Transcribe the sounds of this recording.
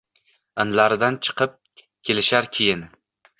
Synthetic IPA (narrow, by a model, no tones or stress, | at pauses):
ɪnlaɾɪd̪ant͡ʃʰɨ̥qʰɨp̚ | kʲʰe̞lɪʃaɾkʲʰejɪn